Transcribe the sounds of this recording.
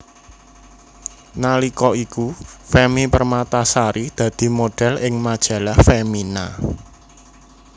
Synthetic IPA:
nalikɔikufemipərmat̪asaɾid̪̥ä̤d̪̥i̤moɖ̥ɛ̤lɪŋmad̥ʒ̥ä̤lahfemina̰

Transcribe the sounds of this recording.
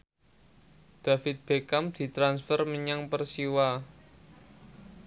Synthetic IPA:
d̪̥a̤fɪt̪̚b̥e̤kamd̪̥i̤t̪ɾansfərməɲaŋpərsiwa

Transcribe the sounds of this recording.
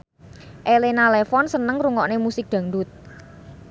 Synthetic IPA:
ʔelenalefɔnsənəŋruŋɔʔnemusɪk̚d̪̥ä̤ŋdʊt̪̚

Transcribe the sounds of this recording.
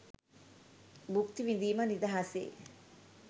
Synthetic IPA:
bukt̪iʋind̪iːmənid̪ɐɦasḛː

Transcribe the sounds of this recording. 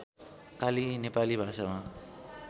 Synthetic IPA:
kalinepalibʱasama

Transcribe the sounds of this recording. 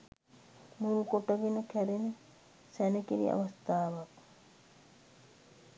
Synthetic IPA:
mulukoʈɐɡinəkʰɛɾenə | sɛnekiɾḭɐ̰ʋɐst̪aːʋɐk

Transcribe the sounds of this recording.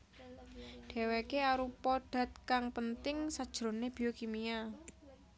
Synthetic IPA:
ɖ̥e̤wekeaɾupɔɖ̥a̤t̪̚kaŋpənt̪ɪŋsad̥ʒ̥ɾo̤neb̥iokimia

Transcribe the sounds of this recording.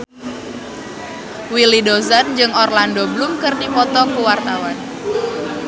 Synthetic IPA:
wilidozand͡ʒɨŋɔrlandoblʊmkɨrdipɔt̪ɔkuwart̪awan

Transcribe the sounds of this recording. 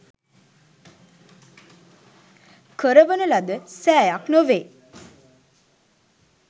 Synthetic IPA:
kəɾəʋənəlad̪əsæːjaknoʋeː

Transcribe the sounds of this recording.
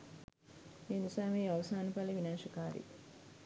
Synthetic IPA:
eːnusaːmejaʋɐsaːnɐpaleʋinaːʃɐkaːɾḭ

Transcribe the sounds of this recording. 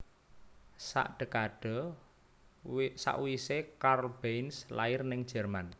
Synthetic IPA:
sa̰ʔɖ̥ə̤kaɖ̥ɔ̤ | sa̰ʔwisekarb̥enslaɪrnɪŋ̥ʒ̥ɛ̤rman

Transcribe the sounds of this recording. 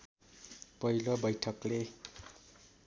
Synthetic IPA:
pʌilobʌjʈʰʌkle

